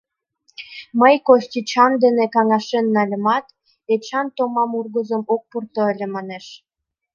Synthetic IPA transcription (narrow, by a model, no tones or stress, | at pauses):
məjkost̪ʲit͡ɕɑnd̪enekɑŋɑʃenːɑlʲə̆mɑt̪ | et͡ɕɑnt̪omɑmurɣəzə̆mok̚purt̪ɤ̆əlʲĕmɑneʃ